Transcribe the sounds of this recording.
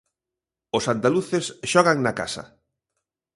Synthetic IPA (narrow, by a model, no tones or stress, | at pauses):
ʊsand̪aluθesʃɔɣaŋnaka̰sɐ̰